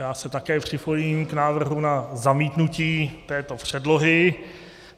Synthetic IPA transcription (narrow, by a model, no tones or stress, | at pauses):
jaːsɛt̪akɛːpr̥ɪpojiːmknaːvr̩ɦunazamiːt̪nuciːt̪ɛːt̪o̞pr̝̥ɛdlo̞ɦɪ